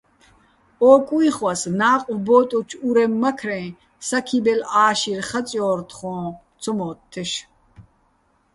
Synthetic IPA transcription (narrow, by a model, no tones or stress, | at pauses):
ɔːkʼuiχwasnaːqʼwbɔːt̪ʼɔt͡ʃʰuɾɛmːakʰɾɛ̃ː | sakʰibɛlaːʃirχat͡sʼjɔːɾt̪ʰχɔ̃ː | t͡sʰɔmɔːt̪ʰːɛʃ